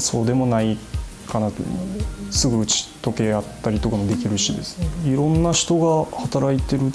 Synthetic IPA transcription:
so̞ːd̪e̞mo̞naikana | sɨɡɯ̟ɯ̟t͡ɕi̥t̪o̞ke̞at̪ːaɾʲit̪o̞kamo̞d̪e̞kʲiɾɯ̟ɕid̪e̞sɨ̥neiɾõ̞nːaɕi̥t̪o̞ɡahat̪aɾait̪e̞ɾɯ̟

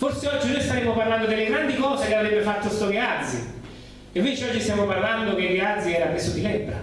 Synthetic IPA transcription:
forseɔd͡ʒːinojst̪aɾeːmopaɾland̪od̪ɪlːeɡɾand̪ikɔːsekeavɾɛbːefat̪ːost̪oɡead̪zḭ | evːit͡ʃːiɔd͡ʒːist̪jɛmoparland̪ok̟eɡead̪zːiɛːɾapɾesod̪ilɛbːɾa̰

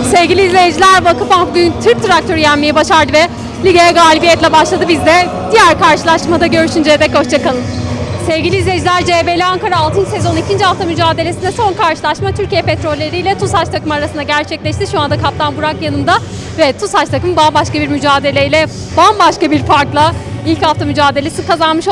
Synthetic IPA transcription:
sevɡɟʲilʲiːzlʲejed͡ʒilʲæɾbakɯfanɡynt̪ʰɯɾp̚t̪ʰɾak̚t̪ʰø̞ɾyjænmejɛbaʃaɾd̪ɯvɛ | lʲiɡajɛɡaːlʲibijɛt̪lʲɛbaʃlˠad̪ɯbizd̪ɛ | d̪ijæɾkaɾʃɯlˠaʃmad̪aɟø̞ɾyʃynd͡ʒejɛd̪ɛkho̞ʃt͡ʃʰakalˠɯnsevɟʲilʲiːzʲɛd͡ʒlʲæɾd͡ʒeːbelʲiaŋkaɾaːlˠt̪ʰɯnse̞zo̞nicʰind͡ʒihaft̪ʰamyd͡ʒaːd̪e̞lesind̪ɛso̞nkʰaɾʃɯlˠaʃmat̪ʰyɾcijɛpet̪ɾo̞lʲːeɾijlʲɛt̪ʰusat͡ʃt̪ʰakɯmɯaɾasɯnd̪aɟæɾt͡ʃʰɛclʲɛʃt̪ʰiʃuand̪akʰap̚t̪ʰanbuɾakjanɯmd̪a | vɛt̪ʰushat͡ʃt̪ʰakɯmbambaʃkabiɾmyd͡ʒaːd̪e̞lʲejlʲɛ | bambaʃkabiɾpaɾklˠailʲchaft̪ʰamyd͡ʒaːd̪e̞lʲe̞sikʰazanmɯʃ

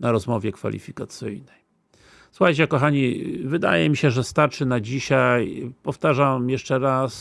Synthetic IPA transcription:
naɾɔzmɔvʲjɛkfa̰lʲḭfʲikat̪sɘ̰jnɛj | swxajt͡ɕɛkɔxaɲivɘd̪a̰jɛmʲiɕɛʐɛst̪aɾt͡ʂɘnad͡ʑiɕajpɔft̪aʐamjɛʂt͡ʂɛɾas

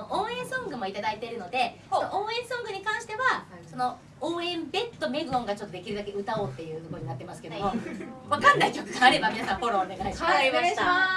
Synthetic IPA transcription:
oʔoːẽ̞ɰ̃sõ̞ŋɡɯ̟mo̞it̪ad̪ait̪e̞ɾɯ̟no̞d̪e̞ | noʔoːẽ̞ɰ̃sõ̞ŋɡɯ̟ɲ̟ikãɰ̃ɕi̥t̪e̞βasono̞ | oːẽ̞mbe̞t̪ːo̞me̞ɡɯ̟õŋɡat͡ɕo̞t̪ːod̪e̞kʲiɾɯ̟d̪ake̞ɯ̟t̪ao̞ːt̪ːe̞jɯ̟ːt̪okoɾoɲinat̪ːemasɨ̥ke̞d̪ooβakãnːaikʲo̞kɯ̟ɡaːɾe̞bamʲinasãpo̞ɾõneɡaia

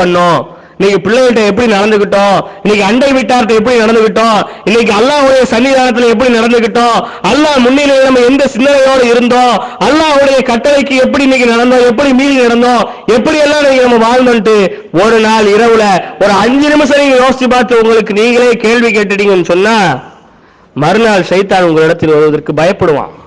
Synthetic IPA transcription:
pɐɳːõː | niːŋɡɐpɪɭːɐjɪʈ̬ːɐɛp̬ːɐɽinɐɽɐnd̪ɯkːɪʈːõːɪnːɛk̬ːɯɐɳɖɐɪʋɪʈːaːɾɐt̪ːɐɛp̬ːɐɽinɐɽɐnd̪ɯkɪʈːõːɪnːɛk̬ːɯɐlːaːɦɯɽɐjɐsɐnːɪðaːnɐt̪̬ːɯlɛp̬ːɐɽinɐɽɐnd̪ɯkːɪʈːõːɐlːaːmʊnːɪlɐnɐmːɐɛnd̪ɐsɪnd̪ɐnɐjoːɽɐɪɾɯnd̪õːɐlːaːɦɯɽɐjɐkɐʈːɐlɐɪkːɯɛp̬ːɐɽiɪnːɛk̬ːɯnɐɽɐnd̪õːɛp̬ːɐɽimiːðinɐɽɐnd̪õː | ɛpːɐɽijɛlːãːniːŋɡɐnɐmːɐʋaːɻnd̪onʈːɯ | ɔɾɯnaːlɪɾɐʋɯlɐɔɾɯɐɲd͡ʒɯnɪmɐs̬ɐniːŋɡɐjoːst̪ːipaːɾt̪ːɯʊŋɡɐɭɯkːɯniːŋɡɐɭeːkeːɭʋik̬eːʈːɯɽiːŋɡɐɛnːɯsɔnːaː | mɐɾɯnaːlʂɐɪt̪aːnʊŋɡɐɭɪɽɐt̪ːɪlʋɐɾɯʋɐðɐɾkɯbɐjɐpːɐɽɯʋã̰ː

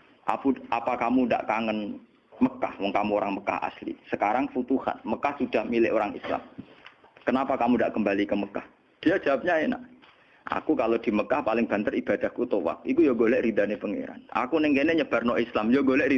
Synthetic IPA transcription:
ʔa̰puʔapakamunda̰ʔkaŋən | məka̰hwɔŋkamuoɾaŋməka̰ha̰slḭsəkaɾaŋfut̪uha̰nməkahsud̥ahmilɪʔoɾaŋḭsla̰m | kənapakamudaʔkəmbalikəməka̰h | d̥iad͡ʒ̥awap̚ɲana̰ | ʔa̰kukalod̥i̤məkahpalɪŋb̥a̤nt̪ərib̥ad̥a̤hkut̪owa̰k̚ikujoɡolɛʔɾid̪anepəŋḛɾa̰nʔa̰kunɪŋkeneɲəb̥arnɔʔislamjoɡolɛʔɾi

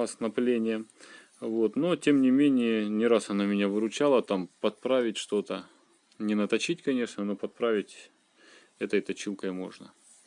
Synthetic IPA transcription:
ɐsnɐplʲenʲɪjə | vo̞t̪notʲe̞mnʲɪmʲenʲɪjənʲɪɾasɐnamʲɪnʲavɨɾʊt͡ɕalˠət̪ampɐt̪̚pɾavʲɪtʲʂt̪o̞t̪ə | nʲɪnət̪ɐt͡ɕitʲkɐnʲe̞ʂnəno̞pɐt̪̚pɾavʲɪtʲ | ɛt̪əjt̪ɐt͡ɕilˠkəjmo̞̰ʐnə

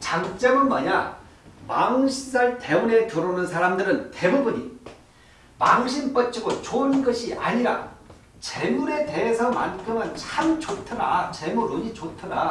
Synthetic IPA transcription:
t͡ɕaŋt͡ɕ͈ʌmɯnmʌɲa̰ | paŋɕʰisaɭte̞une̞toɾonɯns̬ʰaɾamdɯɾɯnte̞bubuɲi | paŋɕʰimp͈ʌt͡ɕ͈iɡot͡ɕoɯnɡʌɕʰiʔa̰ɲiɾa̰ | t͡ɕemuɾe̞te̞ɦesʰʌmankʰɯmɯnt͡ɕʰamt͡ɕotʰɯna̰t͡ɕe̞muɾuɲit͡ɕotʰɯna

